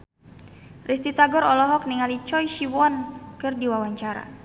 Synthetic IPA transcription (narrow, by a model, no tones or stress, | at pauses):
rʔis̬t̪it̪aɡɔɾɔlɔɦɔk̚niŋalit͡ʃɔjʃiwɔnkɨrdiwawaɲt͡ʃaɾa̰